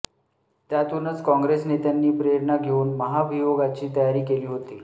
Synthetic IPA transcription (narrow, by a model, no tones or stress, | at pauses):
t̪jat̪unət͡skɔ̃ŋɡɾesnet̪janːiːpɾjəɽnaɡʱeuːnməɦabʱijoɡat͡ɕiːt̪əjaɾiːkeliːɦot̪iː